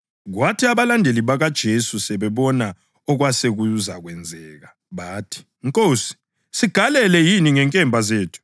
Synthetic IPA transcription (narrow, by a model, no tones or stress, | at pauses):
ɣwatʰiaβalandʱeliβaɣad̥ʒ̥ʱesusɛβɛβɔna | ɔɣwaseɣuuza̰ɣwɛnd͡zʱɛːɣa | βaːtʰi̥ | ŋkʼoːsi̥ | siɡ̥ʱalɛlɛjiniŋɛŋkʼɛmbʱazeːtʰu̥